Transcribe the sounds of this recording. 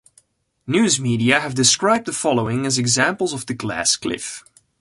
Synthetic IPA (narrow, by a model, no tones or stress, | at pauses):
njʉːzmiɾiɨɦəvdɨskɹaɪb̚ðəfɑlˠoʊɪ̃ŋɨzɨɡzæ̃mpl̩ˠzʌvðəɡlæ̰skʰlɪ̰f